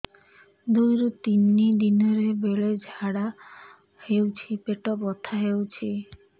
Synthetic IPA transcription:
d̪ojɾot̪inːid̪inɔɾebeled͡ʒʱaɽa | hewt͡ʃʰipeʈɔbɔt̪ʰaɦewt͡ʃʰi

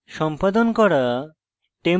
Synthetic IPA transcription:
ʃɔmpad̪onkɔɾa | ʈe

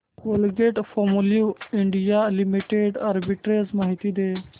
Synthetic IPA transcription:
ʋolɡeʈfomuljuɪɳɖijalimiʈeɖɐɾbiʈɾeːzmɐɦit̪id̪eː

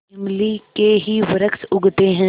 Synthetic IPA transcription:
ɐmlikeɦiʋəɾəksʊɡt̪eɦɛ̃ː

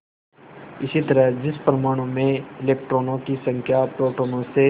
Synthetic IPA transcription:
ɪsit̪ɐɾəɦd͡ʒɪspɾɐmaːɽ̃õmẽɪleːk̚ʈɾoːnõkisɐ̃ŋkʰjapɾoːʈoːnõse

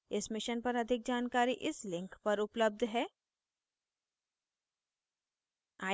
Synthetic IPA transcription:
ɪsmɪʃənpɐɾɐd̪ʱɪk̚d͡ʒaːnkaːɾiʔɪslɪ̃ŋkpɐɾʊpləb̚d̪ʱɦɛː | aː

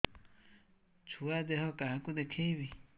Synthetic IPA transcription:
t͡ʃʰuad̪ehokahãkud̪ekʰeiβi

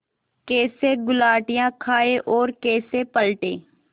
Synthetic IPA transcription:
keːseːɡʊlaːʈɪjãːkʰaːeʔɔːɾkeːseːpəlʈeː

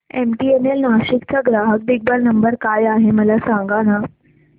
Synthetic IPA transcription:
emʈienelnaːʃikt͡saɡɾaːɦək̚b̪iɡ̚balnəmbəɾkaːjaːɦeməlasãːŋɡana

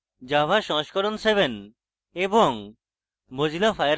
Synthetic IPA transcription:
d͡ʑabʱaʃɔŋʃkɔɾonsebʱen | eboŋ | mod͡ʑilafajɾ

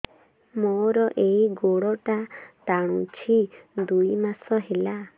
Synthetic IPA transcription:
moɾɔʔeiɡoɽɔʈat̪aɽ̃ut͡ʃʰid̪ujmasɔɦela

